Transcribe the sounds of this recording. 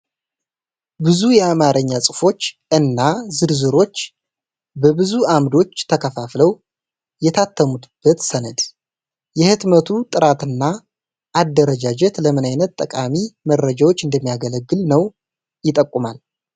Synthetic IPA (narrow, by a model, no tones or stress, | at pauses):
bɨzujɛamaɾəɲːasʼɨfo̞t͡ʃːʔɨnːazɨɾzɨɾo̞t͡ʃː | bəbɨzuamd̪o̞t͡ʃːt̪ʰəkʰəfafləw | jɛt̪ʰat̪ʰːəmud̪b̥ːət̪sənəd̪ | jɛhɨt̪mət̪ʰut̪ʼɨɾat̪ɨnːa | ʔːd̪ːəɾəd͡ʒad͡ʒɛt̪ləmɨnajnət̪t̪ʼːəkʼamimərːəd͡ʒawo̞t͡ʃːɨnd̪əmːijaɡələɡːɨlnəw | jɪt̪ʼːəkʼːumal